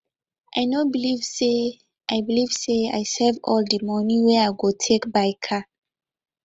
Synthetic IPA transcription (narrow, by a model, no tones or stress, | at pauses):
ʔajnobilivse | ʔajbilivsea̰jsɛvɔldimɔnĩwɛajɡotʰekbajkʰa